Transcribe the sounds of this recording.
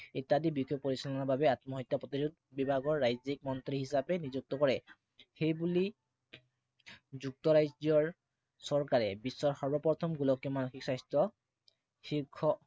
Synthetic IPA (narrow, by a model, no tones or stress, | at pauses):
etadibixɔjpoɹisɔlɔnababɛatmɔɦɔjtːapot̪izud̚ | bibʱaɡɔɹːajzik̚mɔnt̪ɹiɦisapɛnizuk̚tɔkɔɹɛ | xejbuli | zuk̚tɔɹajziɔɹ | sɔɹkaɹɛbisːɔɹxɔɹbɔpɔɹt̪ʰɔmɡulɔkjɔmanuxiksajstɹɔ | xiɹkʰːɔ